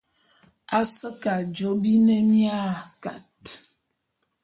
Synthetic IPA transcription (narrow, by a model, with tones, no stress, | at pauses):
a˦sə˦ka˨d͡ʒo˨˦bi˦ne˦mja˦˨ka˨t̚